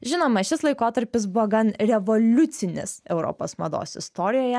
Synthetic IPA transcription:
ʒʲɪnoːmɐʃʲɪslˠɐɪkoːt̪ɐɾʲpʲɪs̬bʊʋɔɡɐnɾʲɛʋolʲʊt̪sʲɪnʲɪ̰sɛʊɾo̰ːpo̰ːsmɐd̪o̰ːsɪst̪oːɾʲɪjoːjɛ

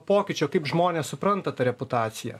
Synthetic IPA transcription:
poːkʲɪt͡ʃʲoːkɐɪpʒmoːnʲeːssʊpɾɐnt̪ɐt̪ɐɾʲɛpʊt̪ɑːt̪sʲɪjɛ̰

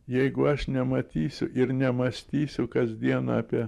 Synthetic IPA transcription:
jɛɪɡʊɐʃnʲɛmɐt̪ʲiːsʲʊʔɪɾnʲɛmɐsʲt̪ʲiːsʲʊkɐzʲd̪ʲiɛnɐ̰ɑːpʲiɛ

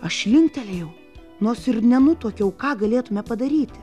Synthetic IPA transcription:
ɐʃlʲɪŋʲkt̪ʲɛlʲɛjɛʊ | noːsɪrnʲɛnʊt̪oːkʲɛʊkɑːɡɐlʲeːt̪ʊmʲɛpɐd̪ɐɾʲiːt̪ʲɪ̥

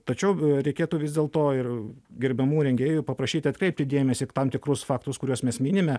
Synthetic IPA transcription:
t̪ɐt͡ʃʲɛʊɾʲɛɪkʲeːt̪uʋʲɪzd̪ʲeːlˠt̪oːɪrɡʲɛɾʲbʲɛmuːɾʲɛŋʲɡʲeːjupɐpɾɐʃʲiːt̪ʲɪɐt̪̚kɾʲɛɪp̚ʲt̪ʲɪd̪ʲeːmʲɛsʲɪt̪ɑmt̪ʲɪkɾʊsfɑːkt̪ʊskʊɾʲuɔsmʲɛsmʲiːnʲɪmʲɛ

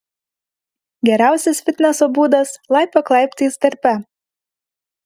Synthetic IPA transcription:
ɡʲɛɾʲæˑʊsʲɛsfʲɪt̪ʲnʲɛsobuːd̪ɐslˠɑɪpɐklˠɑˑɪpʲt̪ʲiːst̪ɐɾʲpʲɛ

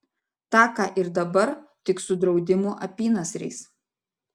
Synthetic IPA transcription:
t̪ɑːkɑːʔɪɾd̪ɐbɐɾt̪ʲɪksʊd̪ɾɒʊd̪ʲɪmuːʔɐpʲiːnɐsʲɾʲɛ̰ɪs

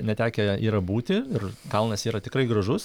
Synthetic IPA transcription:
nʲɛt̪ʲæːkʲɛiːɾɐbuːt̪ʲɪɪrkɐlˠnɐsiːɾɐt̪ʲɪkɾɐɪɡɾɐʒʊs

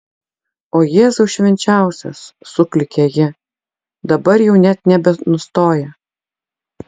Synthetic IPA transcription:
oːjeːzʊʊʃʲʋʲɛnʲt͡ʃʲæˑʊsʲo̰sːʊklʲɪkʲejɪ | d̪ɐbɐɾjɛʊnʲɛt̪nʲɛbʲɛnʊst̪oːjɛ

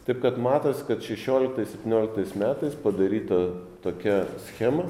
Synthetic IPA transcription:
t̪ɐɪp̚kɐt̪mɑːt̪ɐsʲkɐt̪ʃʲɛʃʲoːlʲɪkt̪ɐɪsʲɛpʲt̪ʲɪnʲoːlʲɪk̚t̪ɐɪsmʲæːt̪ɐɪspɐd̪ɐɾʲiːt̪ɐt̪oːkʲɛsʲxʲæmɐ

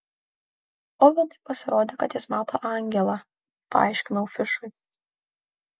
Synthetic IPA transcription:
ɔʋʲɛd̪ɐɪpɐsʲɪɾoːd̪ʲeːkɐt̪jɪsmɑːt̪o̰ːʔɑŋʲɡʲɛlˠɑ | pɐ̰ɑ̰ɪʃʲkʲɪnɐʊfʲɪʃʊɪ

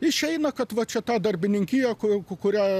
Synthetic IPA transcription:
ɪʃʲɛɪnɐkɐt̪ʋɐt͡ʃʲɛt̪ɑːd̪ɐrʲbʲɪnʲɪŋʲkʲijɛkʊkkʊɾʲæː

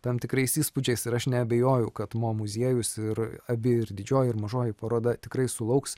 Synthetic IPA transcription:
t̪ɐmt̪ʲɪkɾɐɪsiːspʊd͡ʒʲɛɪsɪɾɐʃnʲɛɐbʲɛjoːjʊkɐt̪moːmʊzʲiɛjʊsɪɾɐbʲɪɪɾd̪ʲɪd͡ʒʲoːjɪɾmɐʒoːjɪpɐɾoːd̪ɐt̪ʲɪkɾɐɪsʊlˠɐʊks

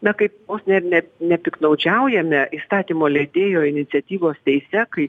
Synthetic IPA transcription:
nɐkɐɪpjoːsnʲɛrnʲɛnʲɛpʲɪknɐʊd͡ʒʲɛʊjɛmʲɛʔiːst̪ɑːt̪ʲiːmoːlʲɛd̪ʲeːjoːɪnʲɪt̪sʲɛt̪ʲiːʋoːst̪ʲɛɪsʲɛkɐɪ

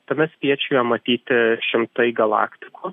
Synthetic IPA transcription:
t̪ɐmʲɛsʲpʲiɛt͡ʃʲujɛmɐt̪ʲiːt̪ʲɪʃʲɪmt̪ɐɪɡɐlˠɑ̰ːkt̪ʲɪkuː

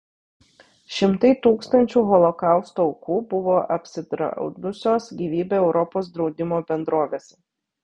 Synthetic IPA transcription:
ʃʲɪmt̪ɐɪt̪uːkst̪ɐnʲt͡ʃʲuːɣɔlˠɔkɑˑʊst̪oɔʊkuːbʊʋoːʔɐpʲsʲɪd̪ɾɐ̰ʊd̪ʊsʲoːsɡʲiːʋʲiːbʲeːɛʊɾɔpoːsd̪ɾɒʊd̪ʲɪmoːbʲɛnd̪ɾoːʋʲeːsʲɛ̥

